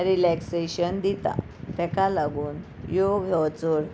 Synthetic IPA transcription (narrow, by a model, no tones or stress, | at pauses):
ɾilɛkseɕənd̪it̪a̰ | t̪ɛ̃kalaɡuːn | joɡʱɔwt͡soɽ